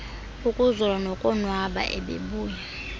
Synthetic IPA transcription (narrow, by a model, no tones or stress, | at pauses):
ukʼuzɔlanɔkʼɔnwaɓa̰ʔɛ̰ɓḛɓuːja